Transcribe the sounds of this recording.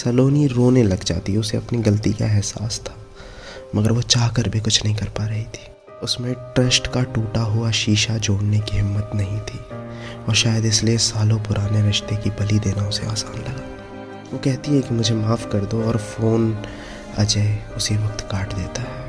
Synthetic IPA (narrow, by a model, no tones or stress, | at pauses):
sɐloːniɾoːnẽlɐɡd͡ʒa̰ːt̪iɦɛʊseɐpniɡɐlt̪ika̰ɛɦsa̰ːst̪ʰḁː | mɐɡəɾʋot͡ʃaːɦkəɾbʱikʊt͡ʃʰnɐɦĩkɐɾpaɾɐɦit̪ʰi̥ː | ʊsmẽʈɾɐsʈkaʈuːʈaɦuaʃiːʃad͡ʒoːɽnekiɦɪmːət̪nɐɦĩt̪ʰiːɔːɾʃaːjəd̪ɪsliesaːlõpʊɾʔaːneɾɪʃt̪ekibɐlid̪eːnaʊsḛa̰ːsaːnlɐɡaː | ʋokɛɦt̪iɦɛ̃kimʊd͡ʒʱemaːfkɐɾd̪oɔːɾfoːn | ɐd͡ʒəʊsiʋɐk̚t̪kaːʈd̪eːt̪aɦɛː